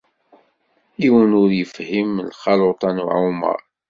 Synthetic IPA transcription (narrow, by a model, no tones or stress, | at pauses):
iwənʊɾjəfhimlχɑlot̪ˤɑnuʕumə̰ɾˤ